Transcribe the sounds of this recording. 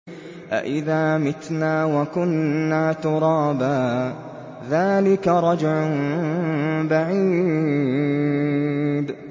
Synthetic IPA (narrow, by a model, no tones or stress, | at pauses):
ʔa̰ʔɪðaːmɪt̪naːwakʊnːaːt̪ʊɾˤɑːbaː | ðaːlɪkaɾˤɑd͡ʒʕʊn | baʕiː | d̪